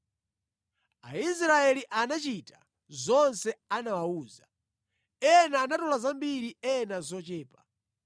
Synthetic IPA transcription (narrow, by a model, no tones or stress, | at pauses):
ais̬ɾaɛliʔanat͡ʃita | zɔnsɛanawauːza | ɛnaːnatɔlazambiɾiɛnazɔt͡ʃɛːpa